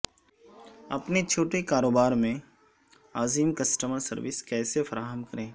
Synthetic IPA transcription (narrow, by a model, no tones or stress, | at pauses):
ɐ̰pnet͡ʃʰoːʈekaːɾoːbaːɾmẽ | aːziːmkɐsʈəməɾsɐɾʋɪskɛːsefɐɾaːɦəmkɐɾẽː